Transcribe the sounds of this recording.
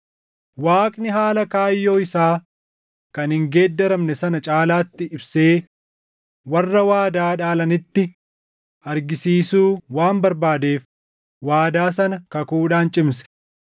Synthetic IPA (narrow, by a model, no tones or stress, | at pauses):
waːkʼnɪɦaːlɐkaːjːo̞ːɪsaː | kɐnhɪŋɡe̞ːd̪ːɐɾɐmnɛsɐnɐt͡ʃʼaːlaːt̪ːɪɪbse̞ː | wɐrːɐwaːd̪aːᶑaːlɐnɪt̪ːɪ | ʔɐɾɡɪsiːsuːwaːmbɐɾbaːd̪eːf | waːd̪aːsɐnɐkɐkuːᶑaːnt͡ʃʼɪms̬ɛ̥